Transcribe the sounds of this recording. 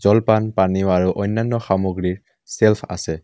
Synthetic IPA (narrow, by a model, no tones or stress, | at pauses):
zɔlpanpaniʊaɹuʔɔjnːanːɔxamoɡɹiɹ | selpʰa̰sɛ